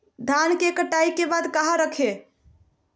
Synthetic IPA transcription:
d̪ʱankekəʈaikebad̪kaɦaɾəkʰe

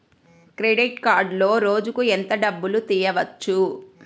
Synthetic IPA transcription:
kɾeɖiʈkaːɾɖlo̞ːɾo̞ːd͡ʒukuent̪ɐɖɐbːulut̪iːjɐʋɐt͡ʃːu

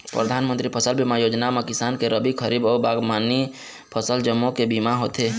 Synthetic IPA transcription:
pɾəd̪ʱaːnmənt̪ɾipʰəsəlbimajoːd͡ʒnamekɪsaːnkeɾəbikʰəɾibɔːɾbaːɡmaːni | pʰəsəld͡ʒəmːõkebimaɦoːt̪eː

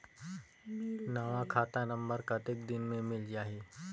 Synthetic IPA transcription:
naːʋakʰaːt̪anə̃mbəɾkat̪ɪkd̪ɪnmẽmɪld͡ʒaːɦiː

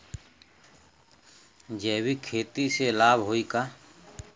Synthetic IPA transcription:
d͡ʒɛːbiːkʰeːt̪iːseːlaːbɦoːiːkaː

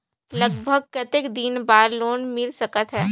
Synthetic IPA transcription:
lɐɡbʱəɡ̚kɐt̪ɪkd̪inbaːɾloːnmɪlsɐkət̪ɦɛː

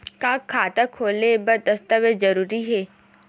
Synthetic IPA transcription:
kaːkʰːaːt̪akʰoːlnebɐd̪ɐst̪əʋezɐɾuːɾiɦɛː

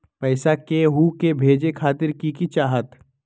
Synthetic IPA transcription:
pɛːsakeɦuːkebʱeːd͡ʒekʰaːt̪ɪɾkikit͡ʃaːɦət̪

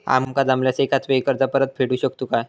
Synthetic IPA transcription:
a̰mkad̪amljasekat̪ʋeikəɾd̪apəɾət̪̚pʰeɽuɕək̚t̪ukaj

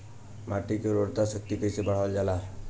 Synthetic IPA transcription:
maʈikeɾoɽt̪asɔk̚t̪ikəjsebaɽ̤ald͡ʒala

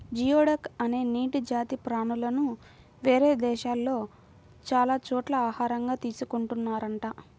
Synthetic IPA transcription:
d͡ʒijoːɽɐkɐne̞ːniːʈid͡ʒaːt̪ipɾaːnulɐnu | ʋeːɾe̞ːd̪ɛːʃaːlːo̞ː | t͡ʃaːlaːt͡ʃɔːʈlɐaːhaːɾɐŋɡaːt̪iːsukuɳʈunːaːɾɐɳʈaː

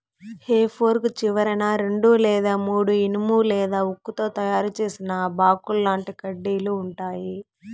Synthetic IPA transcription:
heːpʰoːɾkt͡ʃiʋɐɾɐnaːɾe̞ɳɖuːlɛːd̪aːmuːɽuinimuːlɛːd̪aːukːut̪o̞ːt̪ɐjaːɾut͡ʃe̞ːsinɐbaːkulːaːɳʈikɐɖːiːluːɳʈaːji

